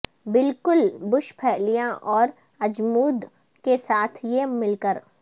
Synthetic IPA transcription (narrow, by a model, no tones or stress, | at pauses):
bɪlkʊlbʊʃpʰɛːlijãʔɔːɾ | ɐd͡ʒmuːd̪ | kesaːt̪ʰjemɪlkəɾ